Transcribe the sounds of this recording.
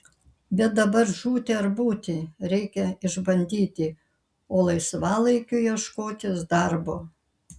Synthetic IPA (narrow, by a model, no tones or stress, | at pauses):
bʲɛt̪̚d̪ɐbɐɾʒuːt̪ʲeɐɾbuːt̪ʲɪɾʲɛɪkʲɛɪʒbɐnʲd̪ʲiːt̪ʲɪ | oːlˠɐɪsʋɑːlˠɐɪkʲʊjiɛʃkoːt̪ʲɪsd̪ɐɾboː